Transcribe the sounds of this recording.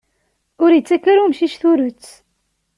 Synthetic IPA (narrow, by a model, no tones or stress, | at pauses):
ʊɾjət͡sːækːəɾumʃiʃθuɾət͡sː